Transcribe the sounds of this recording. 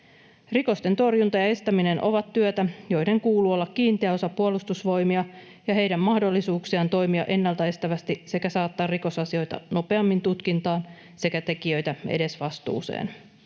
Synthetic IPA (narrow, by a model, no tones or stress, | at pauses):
riko̞st̪e̞nt̪o̞rjunt̪ɑjɑe̞st̪æmine̞nʔo̞̰ʋɑt̪ːyøt̪æjo̞jde̞ŋkuːluːo̞lːɑkkiːnt̪eæo̞sɑpuolust̪usʋo̞jmiɑ | jɑɦe̞jdæmːɑhdo̞lːisuːksiɑnt̪o̞jmiɑ̰ʔe̞nːɑlt̪ɑe̞st̪æʋæst̪ise̞kæsɑːt̪ːɑːriko̞sɑsio̞jt̪ɑ̰no̞pe̞ɑmːint̪ut̪kint̪ɑːn | se̞kæt̪e̞kiø̞jt̪æe̞̰de̞sʋɑst̪ṵːse̞̰ːn